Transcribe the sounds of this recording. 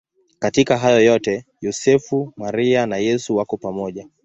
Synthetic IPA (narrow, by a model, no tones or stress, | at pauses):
katikaɦajɔjɔtɛjɔsɛfumaɾianajɛsuwakɔpamɔʄa